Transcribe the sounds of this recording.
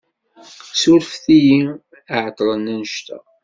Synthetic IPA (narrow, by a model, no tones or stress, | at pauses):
suɾfθiji | aʕət̪ˤːlˤənːænəʃt̪æ̰